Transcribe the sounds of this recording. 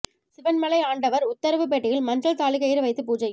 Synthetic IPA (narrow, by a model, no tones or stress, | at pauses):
sɪʋɐnmɐɭɐɪaːɳɖɐʋɐɾʊt̪ːɐɾɐʋɯp̬eːʈːɪjɪlmɐnrɐɭt̪aːɭɪkɐjɪɾɯʋɐɪt̪ːɯpuːd͡ʒɐj